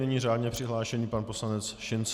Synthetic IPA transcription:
ɛɲiːraːdɲɛpr̥ɪɦlaːʃɛɲiːpanpo̞slanɛt͡sʃɪnt͡s

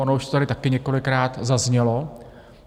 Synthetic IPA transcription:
onouʃt̪ot̪aɾɪt̪akɪɲɛko̞lɪkɾaːt̪zazɲɛlo̞

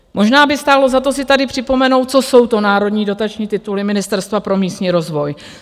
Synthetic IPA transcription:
mo̞ʒnaːbɪst̪aːlo̞zat̪o̞sɪt̪adɪpr̝̥ɪpo̞mɛno̞wt̪̚t͡so̞so̞wt̪onaːɾo̞dɲiːdo̞t̪at͡ʃɲiːt̪ɪt̪ulɪmɪnɪst̪ɛɾst̪vapɾo̞miːst̪ɲiːɾo̞zvo̞j

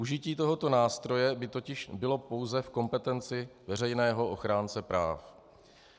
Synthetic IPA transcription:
uʒɪciːt̪o̞ɦo̞t̪o̞naːst̪ɾo̞jɛbɪt̪o̞cɪʃbɪlo̞po̞wzɛfko̞mpɛt̪ɛnt͡sɪvɛrɛjnɛːɦo̞ʔo̞xɾaːnt͡sɛpɾaːf

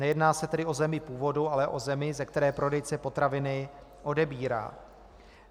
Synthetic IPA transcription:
nɛjɛdnaːsɛt̪ɛdɪo̞zɛmɪpuːvo̞dualɛʔo̞zɛmɪzɛk̚t̪ɛɾɛːpɾo̞dɛjt͡sɛpo̞t̪ɾavɪnɪ | ʔo̞dɛbiːɾa̰ː

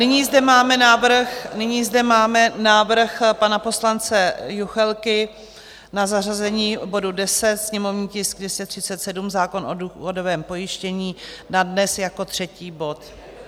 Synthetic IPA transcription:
nɪɲiːzdɛmaːmɛnaːvr̩xnɪɲiːzdɛmaːmɛnaːvr̩xpanapo̞slant͡sɛjuxɛlkɪ | nazarazɛɲiːbo̞dudɛsɛt̪sɲɛmo̞vɲiːcɪsɡdɛscɛt̪r̝̥ɪtt͡sɛt̪sɛdumzaːko̞noduodovɛːmpo̞jɪʃcɛɲiːnadnɛsjako̞t̪r̝̥ɛciːbo̞t̪

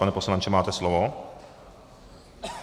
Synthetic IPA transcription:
anɛposlant͡ʃɛmaːt̪ɛslovo

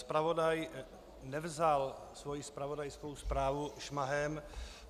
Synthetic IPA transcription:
spɾavo̞daj | nɛvzalsvojɪspɾavo̞dajskowspɾaːvuʃmaɦɛm

